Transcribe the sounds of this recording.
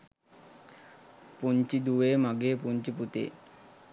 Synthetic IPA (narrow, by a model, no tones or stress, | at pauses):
punt͡ɕid̪uʋemaɡepuɲt͡ɕiput̪ḛ